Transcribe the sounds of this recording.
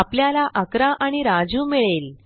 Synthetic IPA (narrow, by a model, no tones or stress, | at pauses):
apljalaʔəkɾaʔaɽ̃iɾad͡zuːmiɭel